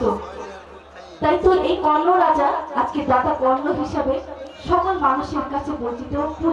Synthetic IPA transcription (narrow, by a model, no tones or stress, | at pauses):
o | t̪ajt̪oɾejkɔlːoɾad͡ʑaad͡ʑked͡ʑat̪akɔlːoɦiʃabeʃɔkolmanuʃeɾkat͡ɕʰebont̪it̪oku